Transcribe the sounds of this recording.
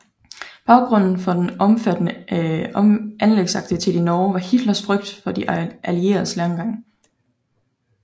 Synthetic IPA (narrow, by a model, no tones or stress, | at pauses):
b̥ɑ̈ʊɡ̥ʁɔ̽n̰n̩fɒ̽d̥enɒ̽mfæd̥nəɒmʔænleɡ̥sɑ̈ɡ̥d̥it͡sʰe̝l̥inɒːʋɑ̈hid̥lɐsfʁœɡ̥̚d̥fɒ̽d̥iʔælie̝̰ːɐð̩ˠslæŋɡ̥ɑ̈ŋ̰